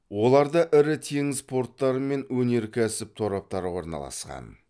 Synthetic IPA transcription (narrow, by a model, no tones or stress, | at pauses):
wo̞lˠɑɾd̪ɑʔɪɾɪt̪ʰe̞ŋɪspo̞rt̪ːɑɾəme̞nwɵne̞ɾkʲʰæsɪp̚t̪ʰo̞ɾɑp̚t̪ɑɾwo̞ɾnɑ̰lˠɑ̰sqɑ̰n